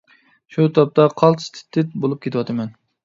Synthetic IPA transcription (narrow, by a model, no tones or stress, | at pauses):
ʃut̪ʰɑp̚t̪ʰɑqʰɑlˠt̪st̪ʰɪ̥t̪ʰːɪt̪̚bolˠɨp̚kʲʰet̪ɪwɑt̪ʰɐmɛn